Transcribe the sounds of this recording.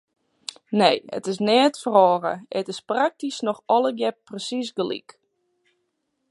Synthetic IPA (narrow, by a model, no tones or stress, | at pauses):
nejə̰tɪs̬nɛːətfərɔːɣə̰ɛtɪsprak̚tisnɔxɔlˠəɡjɛp̚prəsisɡəlḭk